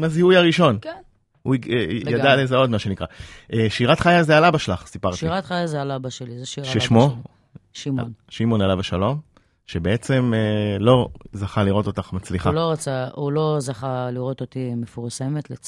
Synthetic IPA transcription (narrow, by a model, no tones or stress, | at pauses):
maziujaʁiʃo̞n | uijadalezeo̞d̪maʃe̞nikʁaʔeʃiʁat̪χajazealabaʃelaχsipaʁtʃiiʁat̪χajazealabaʃelizeʃiʁʃeʃmo | ʃimnʃimo̞nalavaʃalo̞m | ʃebe̞et͡se̞melo̞zaχaliʁo̞t̪o̞t̪aχmat͡sliχaloʁat͡saulo̞zaχaliʁot̪ot̪imefuʁsemet̪let͡s